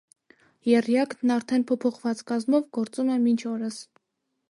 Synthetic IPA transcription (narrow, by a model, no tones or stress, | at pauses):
jɛrjɑkʰnnɑɾt̪ʰɛnpʰɔpʰɔχvɑt͡skɑzmɔvɡɔɾt͡sumɛmint͡ʃʰɔɾəs